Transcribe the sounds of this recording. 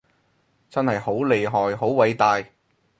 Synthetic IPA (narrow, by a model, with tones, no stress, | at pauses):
t͡sɐ˥nhɐ˨jho˨˥wle˨˧jɦɔː˨˩jɦo˨˥wwɐ˨˧jt̪aː˨˧j